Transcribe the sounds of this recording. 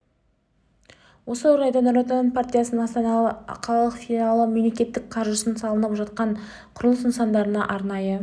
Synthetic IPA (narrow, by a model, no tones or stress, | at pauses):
wo̞səoɾɑjd̪ɑnoɾot̪anpart̪ʲijasənənɑst̪ɑnɑqʰɑlˠɑlˠəqfʲinɑlˠəmemle̞kʲe̞t̪ːɪk̚qʰɑɾʒəsənsɑlˠənəpʒɑt̪̚qɑɴ | qʰʊɾlˠəsɪnsɑnd̪ɑɾənɑ̰ʔɑɾnɑjə